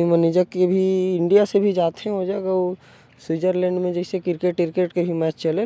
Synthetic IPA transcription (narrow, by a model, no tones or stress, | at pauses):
iməniːd͡ʒəkːebʱiɪ̃ɳɖijasebʱid͡ʒaːt̪ɦɛ̃ɦod͡ʒaeɡao | swiːd͡ʒəɾlɛ̃ːɳɖmẽd͡ʒɛɪsekɪɾkeːʈkɪɾkeːʈkeɦimaːt͡ʃt͡ʃəle